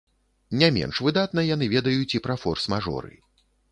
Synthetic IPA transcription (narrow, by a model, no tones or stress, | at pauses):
nʲamʲɛ̰nʂvɨd̪at̪nɐjan̪ɨvʲɛd̪ɐjut͡sʲipɾafɔrsmaʐɔ̰ɾɨ̰